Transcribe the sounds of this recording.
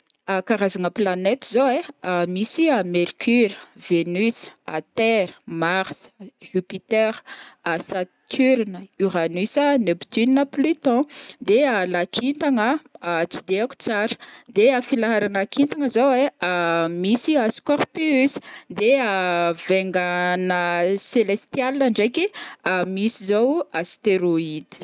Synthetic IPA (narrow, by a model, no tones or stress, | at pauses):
akaɾazaŋəplanet̪zoweamisiameɾkʰyɾəv̥enysa̰t̪ɛɾə̥maʁsə̥ʒypit̪ɛɾasat̪ʰyɾnəyʁanysanebt̪ynnəplyt̪ɔ̃d̪ealakʰint̪aŋət͡sid̪eaku̥t͡saɾə̥d̪eafilaɦaɾanakint̪aŋəzoweamisiaskɔʁpysd̪eaveŋɡanəselest̪ialinaɳɖ͡ʐekiamisizowast̪eɾoid̪i̥